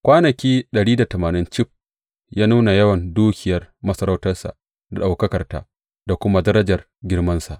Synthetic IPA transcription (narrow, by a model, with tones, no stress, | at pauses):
kʷaː˦nɐ˨kʲiː˦ɗɐ˨ɽiː˦da˨tɐ˨maː˨nɪ˦nt͡ʃɪ˦ɸ̚ | jaː˦nuː˦na˨jɐ˦wɐ˨nduː˦kʲɪ˨jɐ˦rmɐ˦sɐ˦ɾa˦wtɐ˦rsa̰˨ʔ | da˨ɗa˨wkɐ˦kɐ˨rta̰˦ | da˨kʷʊ˦ma˦dɐ˦ɾɐ˦d͡ʒɐ˨r | ɡʲɪ˦rmɐ˦nsa˨ʔ